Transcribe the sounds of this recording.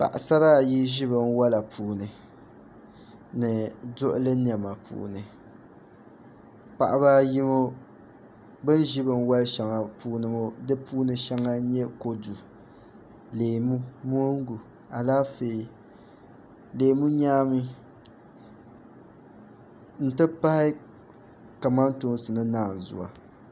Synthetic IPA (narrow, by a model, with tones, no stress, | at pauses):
pa̰˨ʔa˨sa˦ɾa˦˨ji˦ʒi˦βɨ˨n˦wa˦la˨pʰuː˨nɨ˨ | nɨ˨dʊ˦ʔʊ˦lɨ˦ni˨a˨ma˨pṵː˨nɨ˨ | pa̰˨ʔa˨ba˦ji˦mo˦ | bɨ˦n˦ʒi˦bɨ˨n˦wa˦lʃa˨ŋa˨puː˨nɨ˨mo˦dɨ˦puː˦nɨ˨ʃa˦ŋa˦ɲɛ˦ko˨du˨ | leː˨mu˦mo˦ŋ˦ɡu˨ | a˨laː˦feː˨ | leː˨˦mu˦ɲaː˦mi˦ | n̩˦tɨ˦pa˦hɪ˦ | ka˨ma˦n˦tu˦n˦sɨ˨nɨ˦naː˦˨n˨zʊ̰˨a̰˨